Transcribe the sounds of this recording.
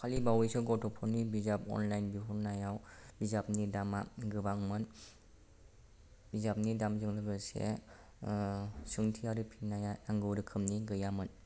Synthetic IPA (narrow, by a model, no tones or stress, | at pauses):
kʰalibawisɯɡɔtʰɔpʰɔɾnibizapɔ̰nlajnbiɦuɾnajawbizap̚nidamaɡɯbaŋmɯn | b̥izap̚nidamzɯŋlɯɡɯsḛ | sɯŋtʰiaɾɯpʰinajaaŋɡɯwɾɯkʰɯmniɡɯjamɯn